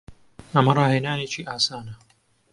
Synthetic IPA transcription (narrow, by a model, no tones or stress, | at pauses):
ɐmɐrˤɑːheːnaːneːt͡ʃiːʔaːsaːnɐ